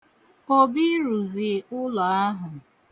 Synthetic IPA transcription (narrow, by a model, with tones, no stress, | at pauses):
o˦bi˦ɾu˨zɪ˨ʊ˦lɔ˨a˦ɦʊ˨